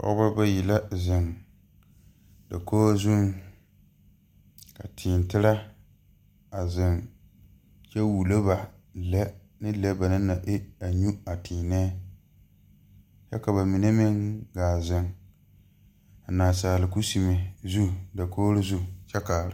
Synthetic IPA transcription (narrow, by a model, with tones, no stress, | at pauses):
ka̰˦ba˦ba˦ji˨la˦zɪ˨ŋ | da˨koː˦zu˦n | ka̰˨tʰiː˨ntɪ˦la˦ | a˨zɪ˨ŋ | t͡ʃɛ˦wu˨lo˦ba˨lɛ˦ | nɨ˦lɛ˦ba˨nɨ˦na˨ʔɪ˦a˨ɲu˦a˨tʰiː˨nɛ˦ | t͡ʃɛ˦ka˨ba˨mi˨ne˦mɪ˦ŋɡaː˨zɪ˨ŋ | a˨naː˨saː˨lɪ˨ku˦si˨me˨zu˦˨da˨koː˦ɾɪ˦zu˦˨t͡ʃɛ˦kaː˨lɪ˨˦